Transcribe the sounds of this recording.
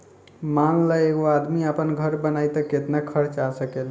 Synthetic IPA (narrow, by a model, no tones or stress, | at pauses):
manləeɡoad̪miəpənɡʱəɾbənajt̪əket̪nakʰəɾt͡ʃasəkel